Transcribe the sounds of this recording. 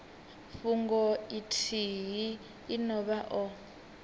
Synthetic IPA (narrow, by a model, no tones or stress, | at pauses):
fuŋɡɔitʰiɦiː | nɔβaʔɔ